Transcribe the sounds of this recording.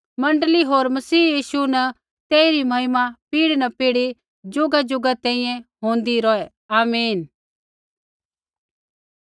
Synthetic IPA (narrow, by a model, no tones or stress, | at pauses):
mɐ̃ɳɖliɦoːɾmɐsiːjiːsunɐ | t̪ɛːiɾimɐɪmapiːɽnɐpiːɽi | d͡ʒʊɡad͡ʒʊɡat̪ɛ̃ːĩjɛ̃ɦõːnd̪iɾɔɛ | aːmiːn